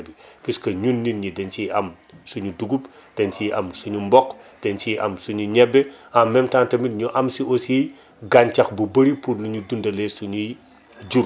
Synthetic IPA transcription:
bipiskɐɲunːinɲidɛnt͡ʃiɐm | suɲuduɡupd̥ɛnt͡ʃiʔɐ̰msuɲumbɔkd̥ɛnt͡ʃiʔɐ̰msuɲuɲɛbːɛamːɛmtaːntɐmitɲuʔɐmsiɔsi | ɡaɲt͡ʃɐxbubɐɾipuɾluɲudundɐlɛsuɲu | d͡ʒuɾ

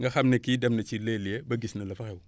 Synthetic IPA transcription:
ŋɡɐxɐmnekiːdɐmnɐt͡ʃilelijebɐɡisnɐlɐfɐxɛwu

